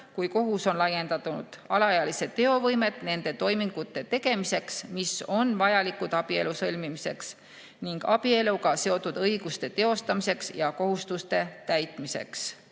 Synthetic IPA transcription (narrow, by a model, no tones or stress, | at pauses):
kujko̞ɦuso̞nlɑje̞nd̪̥ɑt̪ːunud̪̥ɑlɑjɑlise̞d̪t̪ːe̞o̞vɤjme̞t̪ˑne̞nd̪e̞t̪o̞jmiŋɡ̥ut̪ːˑe̞t̪e̞ɡ̥e̞mise̞ksmiso̞nvɑjɑlikud̪̥ɑb̥ie̞lusɤlʲmimise̞ks | niŋɡ̥ɑ̰b̥ie̞luɡɑse̞o̞t̪ːˑud̪̥ɤjɡ̥ust̪e̞t̪e̞o̞st̪ɑmise̞ksjɑko̞ɦust̪ust̪e̞t̪æjt̪ˑmise̞̰ks